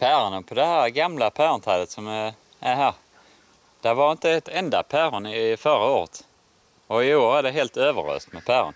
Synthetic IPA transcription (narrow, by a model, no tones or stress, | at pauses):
pʰæːɾənəpʰɔd̪ɛhæːɾɡamlapʰæːɾənt̪ʰɑːlət̪sɔm | æhæːɾ | d̪̥ævɑɾɪnt̪əɛt̪ʰɛnd̪apʰæːɾənɪfœɾaoːɾə̰t̪ | ɔɪoːɾæɖɛɦeːlt̪øːvə̰ɾø̰ːst̪mɛpʰæːɾə̰n